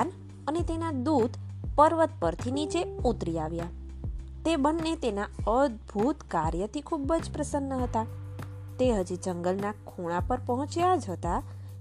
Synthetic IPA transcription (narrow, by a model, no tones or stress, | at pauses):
n | ənet̪enad̪ud̪ʱpəɾʋət̪̚pəɾt̪ʰinit͡ʃeut̪ɾiaʋja | t̪ebənːet̪enaəd̪bʱut̪kaɾjət̪ʰikʰubəd͡ʒpɾəsənːəɦət̪a | t̪eɦəd͡ʒid͡ʒəŋɡəlnakʰoɽ̃apəɾpəɦɔ̃t͡ʃjad͡ʒɦət̪a